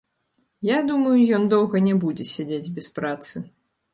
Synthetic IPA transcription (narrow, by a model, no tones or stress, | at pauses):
jad̪umɐjujɔnd̪ɔwɣɐnʲɛbud͡zʲɛsʲad͡zʲed͡zʲbʲɛspɾat̪sɨ